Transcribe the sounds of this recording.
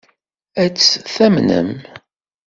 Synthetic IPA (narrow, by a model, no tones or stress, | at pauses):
æt͡sːθæmnə̰m